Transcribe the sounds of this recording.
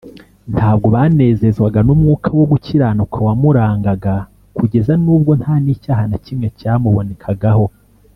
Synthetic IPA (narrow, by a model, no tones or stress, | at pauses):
nthaːb̚ɡo̞βane̞ːze̞zɡwaɡanumŋuːkʰawo̞ɡuciɾaːnukʰawamuɾaːŋɡaɡa | kuɟe̞zanuːb̚ɡo̞nthaːniːcaːhanacimŋe̞caːmuβo̞ne̞kʰaɡaho̞